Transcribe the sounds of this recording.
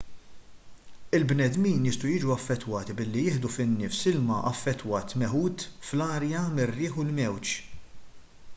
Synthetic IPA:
ɪlbnɛd̪miːnjɪst̪ujɪːd͡ʒuɐfːɛt̪ːwɐːt̪ibɪlːijɪːħd̪ufɪnːɪːfsɪlmɐʔɐ̰fːɛt̪ːwɐːt̪mɛħuːt̪flɐːɾjɐmɪrːɪːħʊlmɛwt͡ʃ

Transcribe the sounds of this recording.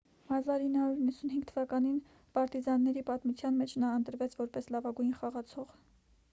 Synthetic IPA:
mɑzɑɾinːəhɑɾuɾinːəsunɦiŋɡt̪ʰəvɑkɑnin | pɑɾt̪izɑnːɛɾipɑt̪mut͡sʰjɑnmɛt͡ʃʰnɑənt̪əɾvɛt͡sʰvɔɾpɛslɑvɑɡujnχɑʁɑt͡sʰɔʁ

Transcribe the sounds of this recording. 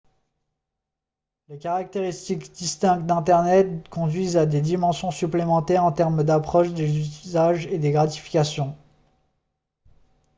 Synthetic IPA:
lekaʁak̚t̪eʁist̪ikd̪̥ist̪ɛ̃kd̪ɛ̃t̪ɛʁnɛt̪kɔ̃d̪ɥizad̪ed̪imɑ̃sjɔ̃syplemɑ̃t̪ɛʁɑ̃t̪ɛʁmd̪apχɔʃd̪ezyzaʒed̪eɡʁat̪i̥fi̥kʲasjɔ̃

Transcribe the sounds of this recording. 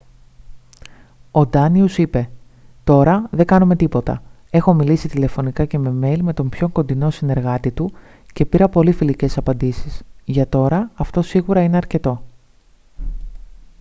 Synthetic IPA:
o̞d̪ɐniusipe̞ | t̪o̞ɾɐðe̞ɡɐnume̞t̪ipo̞t̪ɐ̰ | e̞xo̞milisit̪ile̞fo̞nikɐce̞me̞me̞lime̞t̪o̞mpço̞ŋko̞nd̪ino̞sine̞ɾɣɐt̪it̪u | ce̞piɾɐpo̞lifilice̞sɐpɐnd̪isisʝɐt̪o̞ɾɐːft̪o̞siɣuɾɐine̞ɐɾce̞t̪o̞

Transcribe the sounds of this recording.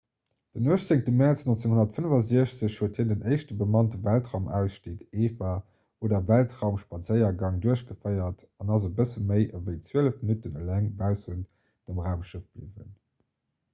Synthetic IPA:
d̥ənoəʃt͡seŋtəmɛʁt͡snont͡seŋhonɐtfənəvɑziəɕt͡səɕhuətheːndənɜɪʃtəbəmɑntəvæltʁaʊmæ̰ʊsʃtiːkeːfa | oːdɐvæltʁaʊmʃpɑt͡səɪɐɡɑŋduəɕɡəfəɪɐt | ɑnɑzəbəsəməɪʔəvəɪt͡sweələfminutənəlæŋbæʊsən | d̥əmʁaʊmʃəfb̥lḭvə̰n

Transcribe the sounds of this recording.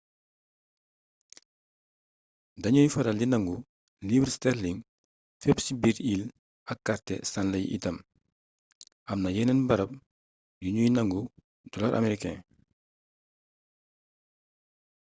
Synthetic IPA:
dɐɲujfɐɾɐlinɐŋɡu | libɾstɛɾliŋ | fɛpsibiɾil | ɐkːaɾtɛ̰sanlɐj̰ʔḭtɐm | ʔɐmnɐjɛnɛnbɐɾɐp̚ | juɲujnɐŋɡu | d̥ɔlɐɾʔa̰mɛɾikɛ̰̃

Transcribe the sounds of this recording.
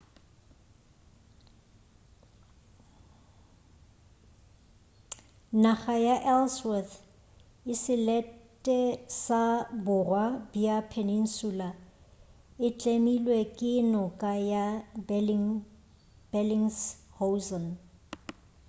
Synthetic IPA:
naχajaʔɛlswɛθ | ɪsɪlɛtʼɛsabʊrwabiapʰenin̩sula | ɪt͡ɬʼemilwɛkʼɪnɔkʼaja | b̥ɛliŋshosɔn

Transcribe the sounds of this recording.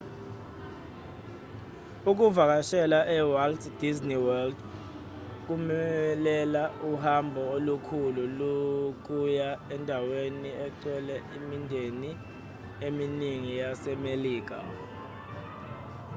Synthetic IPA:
uk̬uvak̬aʃɛlaʔɛwaltd̥izniwɛld | k̬umɛlɛlauhambʱɔolukʰululuk̬ujaɛndʱaweniɛtʰʼɔlɛimindʱeni | eminiŋijasɛmeliːk̬a̰

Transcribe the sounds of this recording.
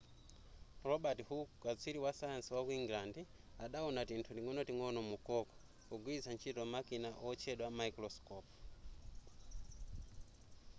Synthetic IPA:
rɔɓatihukat͡sʷʰiɾiwasajansiwakuiŋɡilandɛ | aɗaɔnatintʰutiŋɔnɔtiŋɔnɔmukɔkɔ̥ | kuɡwizant͡ʃʰitɔmakinaʔɔt͡ʃʰɛɗwamaikɾɔskɔp

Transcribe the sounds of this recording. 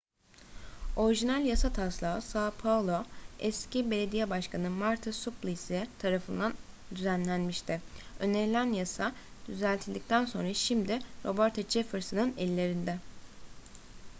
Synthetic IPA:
o̞ɾiʒinælʲjasat̪ʰaslˠaːsaːpʰavlˠoɛscibe̞lʲe̞d̪ijɛbaʃkʰanɯmaɾt̪ʰasuplˠisit̪ʰaɾafɯnd̪an | d̪yzænlʲænmiʃt̪ʰɪø̞̰ne̞ɾilʲænjasad̪̥yzælʲt̪ʰilʲd̪ic̚t̪ʰænso̞nɾaʃimd̪ɪɾo̞boɾt̪ʰad͡ʒefɯɾsɯnɯnɛlʲːe̞ɾind̪ɛ

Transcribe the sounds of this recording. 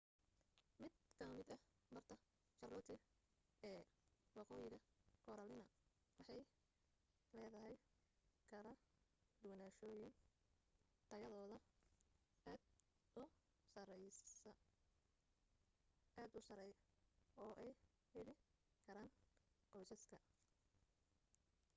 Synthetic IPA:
mɪd̪̚kʰɐmɪd̪ɐ | mɐrt̪ʰɐ | t͡ʃɐrɔːt̪ʰɪ | ɛːwɑqɔːjɪɣɐkʰɔːɾɐlɪnɐ | wɑħɑj | lɛːðɐɦɛj | kʰɐlɐd̪ʊwnaːʃɔːjɪn | t̪ʰɐjɐðɔːðɐ | d̪ | ʊ | s | ʔaːd̪ʊsɐɾɛjɔːʔɛj | hɛlɪ | kʰɐɾaːnqɔjsɐskʰɐ

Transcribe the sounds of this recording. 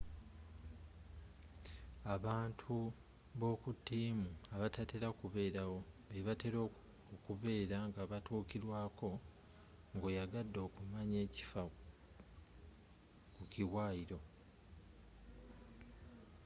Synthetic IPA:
aβaːntʰu | βo̞ːkutːiːmuaβatate̞ɾakuβe̞ːɾawo̞βeβateɾo | okuβe̞ːɾaŋɡaβatuːkiɾwaːko̞ | ŋɡojaɡadːo̞ːkumaɲe̞ːci̥fa | kuciwaːiɾo̞

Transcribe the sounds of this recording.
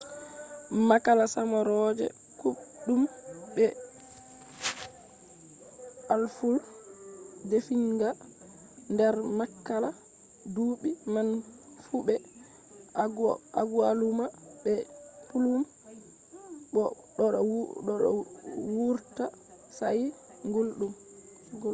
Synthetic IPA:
makalasamaɾɔd͡ʒɛ̰ | kuɗumɓɛ | ʔalful | defiŋɡa | ndɛɾmakːala | duɓiman | fuɓɛ | aɡualumaɓɛpulum | ɓɔ | ɗɔɗɔɗɔ̰wuɾta | saji | ŋɡolɗum

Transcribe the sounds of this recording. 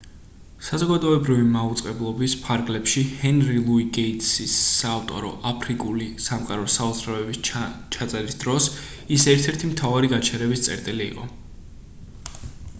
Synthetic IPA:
sazɔɡad̪ɔɛbɾivimaut̪sʼqʼɛblˠɔbispʰaɾɡlɛpʃihɛnɾilˠuiɡeit̪sisːaːft̪ʼɔ̰ɾɔ̰ʔapʰɾikʼulisamqʼaɾɔsaɔd̪zʰɾavɛbist͡ʃʰat̪sʼɛɾisd̪ɾɔs | isɛɾt̪ʰɛɾt̪ʰimt̪ʰavaɾiɡat͡ʃʰɛɾɛbist̪sʼɛ̰ɾt̪ʼilḭːqʼɔ̰

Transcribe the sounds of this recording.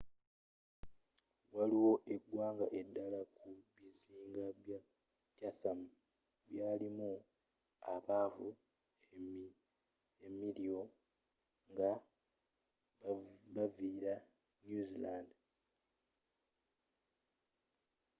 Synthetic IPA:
waliwo̞ʔe̞ɡwaːŋɡaʔe̞dːalakʰuβiziːŋɡaa | caθam | βjaːlimu | aβaːvu | emiɾjo̞ | ŋɡa | βaviːɾa | njuzilaːnd

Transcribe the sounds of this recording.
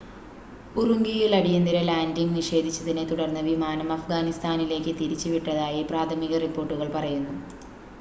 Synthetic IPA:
uruŋɡijiɭɐɽijɐnd̪iɾɐlaːndiŋɡniʂe̞ːd̪ʱit͡ɕːɐðinet̪uɽɐrnːɐʋimaːnɐmɐfɡaːnist̪ʰaːnile̞ːkʲːɨt̪iɾit͡ɕːɨʋiʈːɐðaːjipraːt̪ʰɐmiɣɐripːo̞ːrʈːuɣɐɭpɐrɐjunːu

